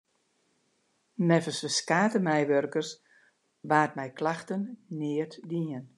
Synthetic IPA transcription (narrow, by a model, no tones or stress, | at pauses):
mɛfəsəskaːtəmɛjʋørkərs | ʋaːt̚mɛjklaxtənnɪərtdiən